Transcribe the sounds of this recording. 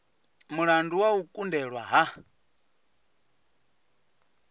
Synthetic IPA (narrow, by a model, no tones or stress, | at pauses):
muɺanduwaukʼundɛɺwaɦa